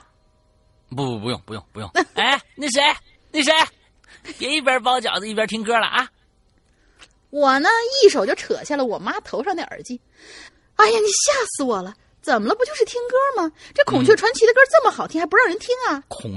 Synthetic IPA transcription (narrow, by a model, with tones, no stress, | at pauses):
pu˧˩u˧˥jʊ̰˥˩ŋpu˧jʊ̰˥˩ŋpu˧jʊ̰˥˩ŋ˧e˥˩ni˧˩ʂ̬e˥ | ni˧˥˩ʂe˥ɪ | pjɛ˧˥i˥˩p̬ʲjɑ˥p̬ɑ˥ʊt͡ɕjɑ̰˨˩ʊd͡zə˧i˥˩pjɐ˥t̪ʰi˥ŋkɤ˥lɐ̰˨ʔa˧˩ | wɔ˨˩nə˦i˥˩ʂ̬o˨˩ʊt͡ɕo˥˩ʊʈ͡ʂʰɤ̰˨˩˦ɕjɛ˥˩lə˩wɔ˨˩ma˥t̪ʰo˧˥ʊɑ˥˧ŋna˥˩ʔə̰˞˧˥t͡ɕi˥˩ | a˥˩ɪja˧˩ni˨˩ɕja˥˩sɹ̩˧wɔ˨˩lə˦ | t͡sə˨˩mə˦əp̬t͡ɕjo˥˧ʊʂɻ̩˥˩t̪ʰi˥ŋkɤ˥mɐ˨ʈ͡ʂɤ˥˩kʰʊ˨˩ŋt͡ɕʰɥɛ˥˩ʈ͡ʂʰwa˧˥nt͡ɕʰi˧˥d̪ə˧kə˥t͡sə˥˩mə˩xʊt̪ʰi˥xa˧˥pu˧˥ɻɑ˥˩ʊɻə˧˥nt̪ʰi˥ŋɐ˨kʰʊ˨˩ŋ